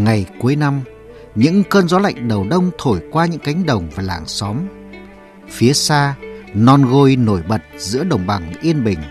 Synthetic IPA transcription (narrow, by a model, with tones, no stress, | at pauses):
ŋa˨˩jku˨˦əjna˧m | ɲɨ̰˧˥ŋkəː˧nzɔ˨˦la̰˧˨jŋ̟ɗə˨˩wɗə˧wŋ͡mt̪ʰo˧˩jkwaː˧ɲɨ̰˧˥ŋka˨˦jŋ̟ɗə˨˩wŋ͡mvaː˨˩laː˧˩ŋsɔ˨˦m | fi˨˦əsaː˧nɔ˧nɣo˧jno˧˩jɓə˨˩t̚zɨ̰˧˥əɗə˨˩wŋ͡mɓa˨˩ŋʔi˧ənɓï˨˩ŋ̟